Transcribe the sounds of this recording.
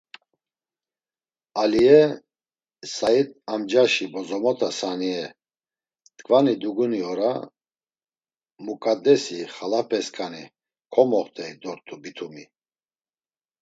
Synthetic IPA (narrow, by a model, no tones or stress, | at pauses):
aliɛ | sait̪ʼamd͡ʒaʃibɔzɔmɔt̪ʰasaniɛ | t̪kʰʼvanid̪uɡuniɔɾa | mukʼad̪ɛsiχalapʰɛskʼani | kʰɔmɔχt̪ʰʼɛid̪ɔɾt̪ʼubit̪ʰumi